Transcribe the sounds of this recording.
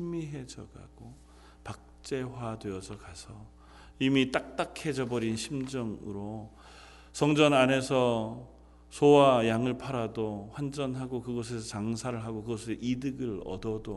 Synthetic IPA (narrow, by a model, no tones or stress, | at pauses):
ɕʰimiɦe̞d͡ʑʌɡa̰ɡ̥o | pak̚t͡ɕ͈e̞wadweʌsʰʌkasʰʌ | imit͈ak̚t͈akʰe̞d͡ʑʌbʌɾinɕʰimd͡ʑʌŋɯɾo | sʰʌŋd͡ʑʌnane̞sʰʌ | sʰowajaŋɯɭpʰaɾadoɸwand͡ʑʌnɦaɡokɯɡʌsʰe̞sʰʌt͡ɕaŋsʰaɾɯɭɦaɡokɯɡʌsʰɯɭʔidɯɡɯɭʌ̰dʌdo